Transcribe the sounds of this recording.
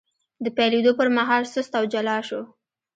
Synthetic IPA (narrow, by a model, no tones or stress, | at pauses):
d̪əpajled̪opəɾmaɦɑlsəst̪awd͡ʒalɑʃo